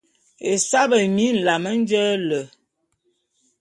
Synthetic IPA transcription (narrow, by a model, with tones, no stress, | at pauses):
e˨sa˦bə˨mi˦n̩˨la˨mə˦n̩˦d͡ʒə˦lə˨